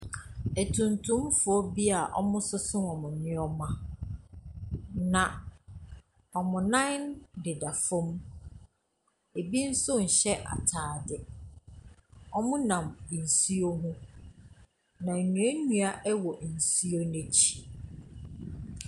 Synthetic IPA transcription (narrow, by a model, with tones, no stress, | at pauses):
ɛ˨tʰũ˨ntʰʊ̃˦mfʊ˨ɔ˦bi˦a˨ʔɔ̰˦mʊ̃˦sʊ˦sʊ̃˦ɔ˨mʊ̃˨nɪ̃˦ɔ˦mã˦ | nã˨ | ɔ˨mʊ̃˨nã˦n˦ndɪ˨da˨fʊ̃˦m | e˨bi˦n̩˦sʊ˦n̩˨ɕɛ˦ʔa̰˨tʰaː˨dɪ˨ | ɔ˦mʊ̃˦nã˨m˨n̩˨si˦o˦ɦʊ̃˦ | nã˨nũ˨˦e˦nũ˦a˦ʔɛ˦wɔ˨n̩˨si˦o˦nɛ̃˦t͡ɕʰi̥˨